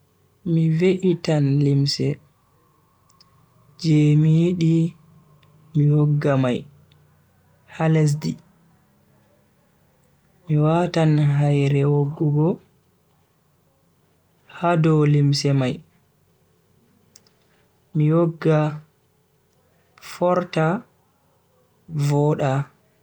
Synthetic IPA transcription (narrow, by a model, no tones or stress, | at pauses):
miveʔitanlimsɛ | d͡ʒɛmijiɗi | miwɔɡːamaj | hales̬di | miwatanɦajɾɛwoɡːuɡɔ | hadɔlimsɛmaj | miwoɡːa | fɔɾta | vɔːɗa